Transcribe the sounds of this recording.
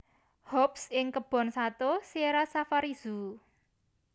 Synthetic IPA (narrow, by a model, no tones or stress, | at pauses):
hɔpsɪŋkəb̥ɔ̤nsat̪oseɾasafaɾiz̥u